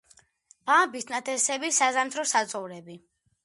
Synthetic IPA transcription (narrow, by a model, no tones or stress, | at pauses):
b̥abist̪ʰnat̪ʰɛsɛbisazamt̪ʰɾɔsat̪sʼɔvɾɛbi